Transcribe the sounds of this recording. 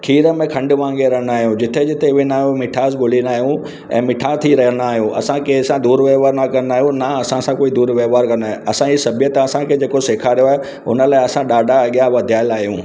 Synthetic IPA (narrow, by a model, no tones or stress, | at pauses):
kʰiːɾəmẽkʰɐ̃ɳɖʊʋãːŋɡeɾɐɦənaːɦijũd͡ʑɪt̪ʰed͡ʑɪt̪ʰeʋenaːɦijũmɪʈʰaːzɡʊlinaːɦjũ | ɛ̰̃ːmɪʈʰaːt̪ʰiɾɐɦənaːɦijũʔɐ̰sãkeːsãd̪uːɾʋeːʋaːɾnakɐnnaːɦijũnaɐsãsãkoːid̪uːɾʋeːʋaːɾkɐnaːɐsãisɐbʱijət̪aɐsãkʰed͡ʑeːkoseːkʰaːɾijoaːɦe | ʊ̰nə̆laːɪɐsãɗaːɖʱaɐɠijaʋɐd̪ʱijaːɪlaːɦijṵ̃ː